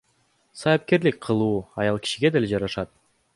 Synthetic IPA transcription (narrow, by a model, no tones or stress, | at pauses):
sɑjɑp̚ke̞ɾlik̚qʰɯlˠuːɑjɑlˠkʲʰi̥ʃiɡʲe̞d̪e̞led͡ʒɑɾɑʃɑt̪̚